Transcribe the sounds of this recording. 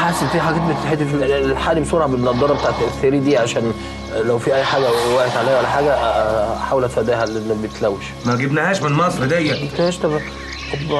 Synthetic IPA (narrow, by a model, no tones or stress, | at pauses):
ħasefiːħaɡæːt̪̚bet̪e̥ħed̪filħaːlibesoɾˤʕabet̪nɑʔd̪ːɑɾˤɑbet̪aːʕt̪ːæʔseɾiːd̪iːʕaʃæːn | læwfiʔæjːħaːɡæwæʔet̪ʕalæːhæʔælːæħaːɡæħawelʔæt̪fæd̪æːhælːbeet̪læwːeʃ | mæɡebnhæːʃmenmɑsˤɾed̪æjːæmækt̪æhæːʃt̪æb̪ | ɑb